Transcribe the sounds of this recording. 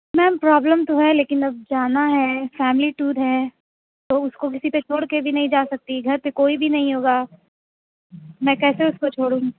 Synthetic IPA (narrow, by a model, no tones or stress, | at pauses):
mɛ̃ːmpɾaːbləmt̪oɦɛleːkɪnɐb̚d͡ʒaːnaɦɛfɛːmɪliʈuːɾɦɛ | t̪oʊskok̬ɪsipet͡ʃʰoːɽkebʱinɐɦĩd͡ʒaːsɐk̚t̪iɡʱɐɾpekoːibʱinɐɦĩɦoːɡaː | mɛ̃ːkɛːseʊskot͡ʃʰoːɽũː